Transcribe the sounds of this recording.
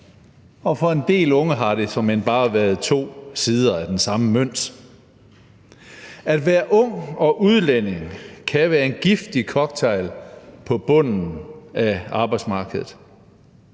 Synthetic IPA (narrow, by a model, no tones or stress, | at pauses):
ɒ̽fɒ̽e̝nd̥e̝̰ːlɔ̽ŋəɦɑ̈ɾe̝sɒ̽menb̥ɑ̈ːʋæɐð̞ˠt͡sʰo̝̰ːsiːð̞ˠɐæd̥ensɑ̈məmøn̰d̥ | æd̥ʋæːɐʔɔ̽ŋ̰ɒ̽ʔuð̞ˠlen̰e̝ŋkʰæʋæːɐe̝nɡ̥ifd̥ikʰɒ̽ɡ̥̚t͡sʰeɪlpʰɒ̽b̥ɔ̽n̰n̩æɑ̈ːb̥ɑ̈ɪd̥smɑ̈ːɡ̥əðˠð̩ˠ